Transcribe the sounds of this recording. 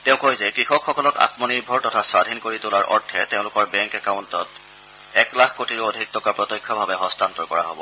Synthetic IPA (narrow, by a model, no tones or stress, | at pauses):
teʊ̃kojzɛkɹixɔkxɔkɔlɔka̰tmɔniɹbʱɔɹtɔtʰaswadʱinkoɹitʊlaɹʔɔ̰ɹtʰɛteʊ̃lʊkɔɹbɛŋkɛkaʊntɔt | ɛklakʰkotiɹodʱik̚tɔkapɹɔtɔjkʰːɔbʱabɛɦɔstʰantɔɹkɔɹa̰ɦo̰bɔ̰